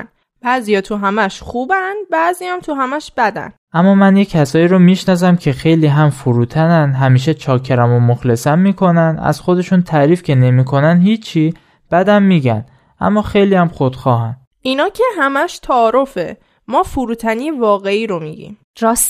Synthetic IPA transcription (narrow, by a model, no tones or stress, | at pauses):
n | b̥æzijɒːt̪ʰuɦæmæʃχuːbænd̪bæʔzijæmt̪ʰuɦæmæʃb̥æd̪æ̰n | ʔæmːɒːmænjecʰːæsɒːiːɾomiʃnɒːs̬æmcʰe̞xe̞jliːɦæmfuɾuːt̪ʰænænd̪ɦæmiːʃ̬et͡ʃʰɒːkʰːeɾæmomoxle̞sænmiːkʰo̞nænʔæ̰z̥xo̞d̪e̞ʃunt̪ʰæɾiːfcʰe̞ne̞miːkʰo̞nænhiːt͡ʃʰːiː | b̥æd̪æmːiːɟæn | ʔæ̰mːɒːxe̞jliːjæmxod̪̥xɒːɦæn | ʔinɒːcʰeɦæmæʃt̪ʰæːɾo̞fe̞̰ | mɒːfuɾuːt̪ʰæniːjevɒːɣe̞iːɾomiːɟḭm | ɾɒs